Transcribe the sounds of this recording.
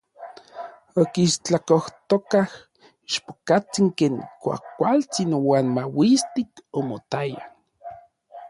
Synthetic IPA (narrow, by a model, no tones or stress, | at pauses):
okiːʃt͡ɬakoht̪okah | iʃpo̥kat͡siŋkeːŋkʷa̰kʷalt͡sinwaːnmawist̪ikomot̪aja